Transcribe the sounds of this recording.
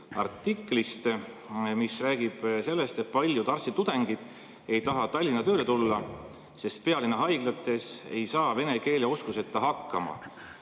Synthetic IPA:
ɑ̰rt̪ːikːˑlist̪ | misræːɡ̥ib̥se̞lːe̞st̪e̞t̪̚pɑlʲjut̪ɑrsit̪ud̪̥e̞ŋɡ̥id̪̥ | e̞jt̪ɑɦɑt̪ɑlʲːinɑt̪ø̞ːlet̪ulːɑ | se̞st̪̚pe̞ɑlinːɑɦɑjɡ̥lɑt̪ːˑe̞se̞jsɑːve̞ne̞ke̞ːleoskuse̞t̪ːˑɑɦɑkːɑmɑ̰

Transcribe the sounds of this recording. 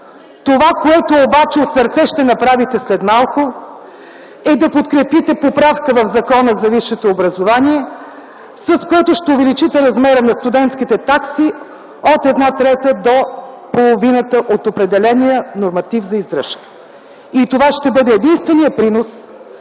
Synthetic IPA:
t̪ovakoɛt̪oːbat͡ʃɛot̪səɾt̪sɛʃt̪ɛnɐpɾavit̪ɛslɛd̪malˠko | ɛd̪ɐpot̪kɾɛpit̪ɛpopɾafkəvɐvzɐkɔnəzɐviʃːɛt̪oːbɾɐzovaniɛ | səskoɛt̪ʊʃt̪ɛʊvɛlit͡ʃit̪ɛɾɐzmɛɾənɐst̪ud̪ɛnt̪skit̪ɛt̪aksi | ot̪ɛd̪nat̪ɾɛt̪əd̪o | polˠovinət̪əʔot̪opɾɛd̪ɛlɛnijənoɾmɐt̪ivzɐizd̪ɾə̰ʃk | it̪ovaʃt̪ɛbɤd̪ɛːd̪inst̪vɛnijəpɾinos

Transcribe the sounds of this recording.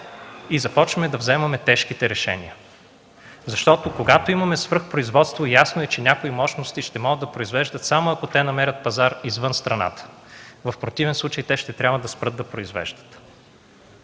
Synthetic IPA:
izɐpɔt͡ʃvɐmɛd̪ɐvzɛmɐmɛt̪ɛʃkit̪ɛɾɛʃɛ̰nḭə | zɐʃt̪ɔt̪okoɡat̪oimɐmɛsvɤɾxpɾoizvɔt̪st̪vojasnoɛt͡ʃɛnʲakoimɔʃnost̪iʃt̪ɛmɔɡəd̪ɐpɾoizvɛʒd̪ət̪samoɐkot̪ɛnɐmɛɾʲət̪̚pɐzaɾizvɤnst̪ɾɐna̰t̪ə̥ | vəfpɾot̪ivɛnslˠut͡ʃəjt̪ɛʃt̪ɛt̪ɾʲabvəd̪ɐspɾɤt̪ːɐpɾoizvɛ̰ʒd̪ə̥t̪

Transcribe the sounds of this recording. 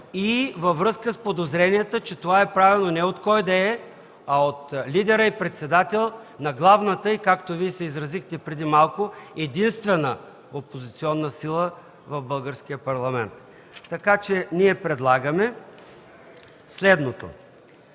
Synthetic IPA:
ivɐvɾɤskəspod̪ozɾɛniɛt̪ət͡ʃɛt̪ovaɛpɾavilˠnonɛot̪kɔjd̪ɐɛ | ɐot̪lid̪ɛɾəipɾɛt̪sɛd̪at̪ɛlˠ | nɐɡlˠavnət̪əikakt̪oviɛsɛizɾɐzixt̪ɛpɾɛd̪imalˠkoɛd̪inst̪vɛnə | opozit̪siɔnːəsilˠə | vɐvbɤlˠɡəɾsk̟ijəpɐɾlˠɐmɛnt̪ː | ɐkat͡ʃɛniɛpɾɛd̪lˠaɡəmɛ | slɛd̪not̪o̰

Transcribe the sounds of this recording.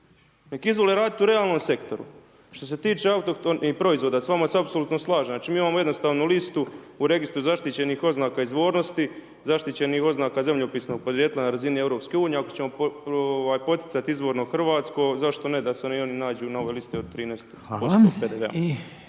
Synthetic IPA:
nekizʋo̞leɾaːd̪it̪uɾeaːlˠno̞mse̞kt̪o̞ɾṵ | ʃt̪o̞set̪iːt͡ʃeaut̪okt̪onipɾo̞izʋod̪asʋamaseapsolut̪noslˠaːʒenat͡ʃimiːimaːmoje̞d̪no̞st̪aːʋnulist̪u | uɾe̞ɡist̪ɾuzaʃt̪it͡ɕe̞nixo̞znaːkaizʋo̞ːɾno̞st̪i | zaʃt̪it͡ɕe̞nixo̞znaːkazemʎopiːsno̞ɡ̚pod̪ɾjeːt̪ilanaɾazinieʋɾo̞ːpskeuːnije̞akot͡ɕe̞mo̞oʋaːjpo̞t̪jɪt̪sat̪iizʋo̞ːɾnoxrʋaːt̪sko̞zaʃt̪o̞ne̞d̪aseonio̞ninaːd͡ʑuːnaoʋelist̪eo̞d̪̚t̪ɾiːneːst̪ | osoːpeːd̪eʋea̰

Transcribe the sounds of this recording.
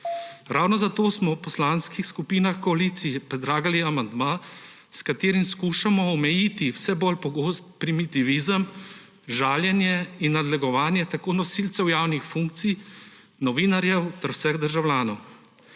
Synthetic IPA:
ɾawnɔzat̪oːsmɔwpɔslaːnskixskupiːnaxkɔalit̪sijpɾɛd̪ɾaːɡaliamand̪maː | skat̪eːɾimskuːʃamɔɔmɛjit̪iwsɛbolpɔɡoːst̪pɾimit̪iʋizəm | ʒaːljɛnjɛinːad̪lɛɡɔʋaːnjɛt̪akoːnɔsilt̪sɛwjaːwnixfuŋk̚t̪sij | nɔʋiːnaɾjɛwt̪ɛɾwsɛɣd̪əɾʒawlʲjaːnɔw

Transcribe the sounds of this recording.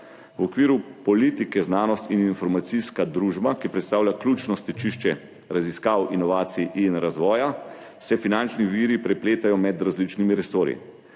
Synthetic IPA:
wɔkʋiːɾupɔliːt̪ikɛznaːnɔst̪ininfɔɾmat̪siskad̪ɾuːʒbakipɾɛt̪st̪aːwlʲjaklʲut͡ʃnɔst̪ɛt͡ʃiʃt͡ʃɛ | ɾaziskaːwinɔʋaːt̪siʔinɾazʋɔːja | sɛfinant͡ʃniʋiːɾipɾɛpleːt̪ajɔmɛd̪ɾazlit͡ʃnimiɾɛsoːɾḭ

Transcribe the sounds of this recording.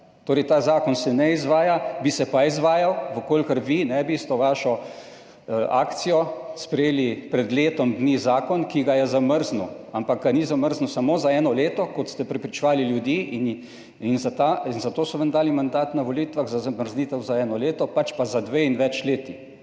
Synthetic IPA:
t̪oːɾɛjt̪aːzaːkɔnsɛnɛizʋaːjabisɛpaizʋaːjawʋəkoːlʲkəɾʋinɛbist̪ɛʋaʃɔ | a̰ːkt̪sijɔspɾɛjeːlipɾɛd̪leːt̪ɔmd̪nizaːkɔnkiɡajɛzaməɾznuampakɡanizaməɾznusamoːzaɛːnɔleːt̪ɔkɔt̪st̪ɛpɾɛpɾit͡ʃɛʋaːliljud̪iːin | inzat̪ainzat̪oːsɔʋənd̪aːlimand̪aːt̪naʋolit̪ʋaɣzazaməɾzniːt̪ɛwzaɛːnɔleːt̪ɔpat͡ʃpazad̪ʋeinʋɛt͡ʃleːt̪i

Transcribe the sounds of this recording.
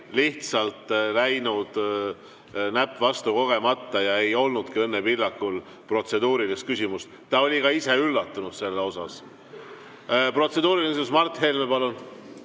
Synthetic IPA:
liht̪sɑlt̪ˑlæjnud̪̥ | næpːˑvɑst̪uko̞ɡ̥e̞mɑt̪ːˑɑjɑe̞jo̞lnud̪̥kiɤnːepilːɑkːul | pro̞t̪se̞d̪uːɾilist̪̚kysʲimust̪ | t̪ɑo̞lʲikɑise̞ylːɑt̪ːunud̪̥se̞lːeo̞sɑs | pro̞t̪se̞d̪uːɾiliksimusmɑrt̪ːˑhe̞lmepɑlun

